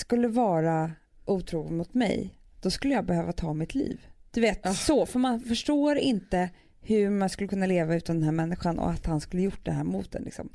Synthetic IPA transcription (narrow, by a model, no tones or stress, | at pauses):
skɵlːəvɑːɾa | ʔuːt̪ʰɾuːɡɪmʊt̪mɛ̰j | d̪̥ɔskɵlːəjɑːɡbɛhøːvat̪ʰɑːmɪt̪ʰlḭːvd̪̥ɵveːt̪sɔfœɾmanfœʂʈoːɾɪnt̪ə | hɵmanskɵlːəkʰɵnːaleːvaʉ̟ːt̪and̪ɛnɦæɾmɛnːɪɧanɔ̰at̪hanskɵlːəjʊʈːd̪ɛ̰ɦæːɾmṵːt̪̚d̪ɛnlɪ̰ksɔ̰m